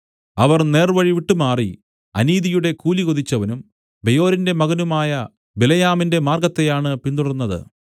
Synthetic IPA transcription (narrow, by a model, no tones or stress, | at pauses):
ɐʋɐrne̞ːrʋɐɻiʋiʈːumaːri | ɐ̰niːðijuɽe̞kuːliɣoðit͡ɕːɐʋɐnum | be̞jo̞ːɾinde̞mɐɣɐnumaːjɐ | belɐjaːminde̞maːrɡɐt̪ːe̞jaːɳɨpind̪uɽɐnːɐðɨ̰